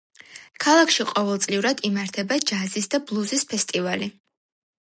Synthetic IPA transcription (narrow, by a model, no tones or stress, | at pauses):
kʰalˠakʰʃiqʼɔvɛlˠt̪sʼliuɾad̪imaɾt̪ʰɛbad͡ʒazisd̪ablˠuzispʰɛst̪ʼivali